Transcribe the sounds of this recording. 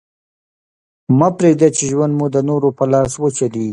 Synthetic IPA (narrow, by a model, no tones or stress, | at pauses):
mɑpɾeɡd̪at͡ʃeʒwand̪mud̪ənoɾopəlɑswət͡ʃali